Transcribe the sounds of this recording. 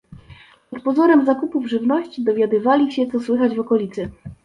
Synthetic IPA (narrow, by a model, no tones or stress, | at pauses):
pɔt̪pɔzɔɾɛmzakupuvʐɘvnɔɕt͡ɕid̪ɔvʲjad̪ɘvalʲiɕɛt̪sɔswɘxad͡ʑvɔkɔlʲit̪sɘ